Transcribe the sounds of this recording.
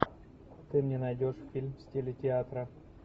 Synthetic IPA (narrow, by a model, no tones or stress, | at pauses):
t̪ɨmnʲenɐjdʲo̞ʂffʲilʲmsʲtʲelʲɪtʲɪat̪ɾə